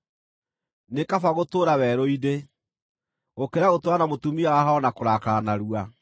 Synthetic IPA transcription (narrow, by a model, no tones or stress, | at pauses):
nekafaɣotoːɾawɛɾoide | okeɾaɣotwanamotumiawaɦaɔnakoɾakaːnaɾua